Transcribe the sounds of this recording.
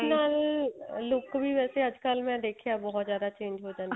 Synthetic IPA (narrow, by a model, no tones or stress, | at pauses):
naːlː | ʊkbʱiʋɛːseɐd͡ʒkəlmɛ̃d̪eːkʰijabɔɦɔt̪zjaːd̪at͡ʃẽːɲd͡ʒɦod͡ʒaːn